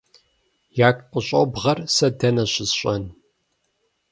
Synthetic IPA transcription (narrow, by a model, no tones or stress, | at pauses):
jaːkʷʼqʷʼəɕʼobʁɐrsɐdɐnɐɕɪzɕʼɐn